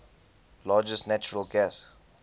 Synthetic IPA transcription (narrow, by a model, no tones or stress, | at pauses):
laːd͡ʒəsnæt͡ʃʊɹəlɡɛs